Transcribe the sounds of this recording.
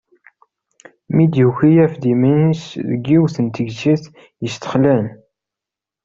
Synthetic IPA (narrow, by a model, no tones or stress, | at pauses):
mid̪juçijæfd̪iminsðə̰ɡːiwθənt̪əɡsiθ | jəst̪ə̥χlæn